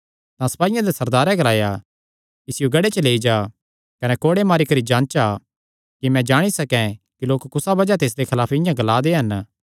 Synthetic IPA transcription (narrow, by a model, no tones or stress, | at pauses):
t̪ãsɐ̥paːɪjãd̪esɐɾd̪aːɾɛ̃ɡɐlaːja | ɪsɪjoɡɐɽet͡ʃəleːid͡ʒaː | kɐnekoːɽemaːɾikɐɾid͡ʒãːnt͡ʃa | kimɛ̃d͡ʒaːɽ̃isɐkɛ̃kiloːkːʊsabɐd͡ʒat̪eːs̬d̪ekʰɐlaːpɪ̃jãɡɐlaːd̪eɦɐn